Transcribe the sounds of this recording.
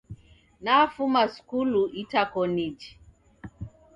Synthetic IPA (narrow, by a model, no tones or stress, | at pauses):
nafumasu̥kuluʔitakɔnid͡ʒi̥